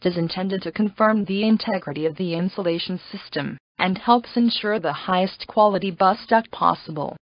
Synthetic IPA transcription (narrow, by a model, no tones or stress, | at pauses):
ɨzɨ̃ntʰɛ̃ndɨd̚tʰɨkʰɨ̃ɱfɜ̃˞mðiɨ̃ntʰɛɡɹɨɾiʌvðiɪ̃nsəleɪʃn̩sɪstɨ̃m | ʔɨ̃nhɛlˠpsɨ̃nʃʊɹðəhaɪɨskʰw̥ɑlˠəɾibʌstʌk̚pʰɑ̰səbə̰l̩ˠ